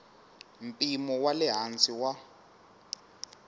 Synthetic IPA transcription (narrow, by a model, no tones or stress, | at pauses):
m̩pʼimɔwalɛɦant͡sʼiwa